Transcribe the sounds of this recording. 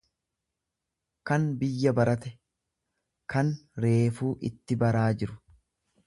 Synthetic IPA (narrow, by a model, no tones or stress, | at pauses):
kɐnbɪjːɐbɐɾɐt̪ɛ | kɐnɾe̞ːfuːʔɪ̰t̪ːɪbɐɾaːd͡ʒɪɾʊ̥